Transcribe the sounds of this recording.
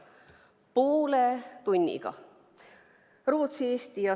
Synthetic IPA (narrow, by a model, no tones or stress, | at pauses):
poːlet̪unʲːḭɡ̥ɑ̰ | roːt̪sieːst̪ijɑ